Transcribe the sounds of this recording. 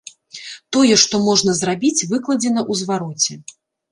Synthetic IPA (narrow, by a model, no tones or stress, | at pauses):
t̪ɔjɛʂt̪ɔmɔʐnɐzrabʲit͡sʲvɨklˠɐd͡zʲɛnɐʔuzvaɾɔt͡sʲɛ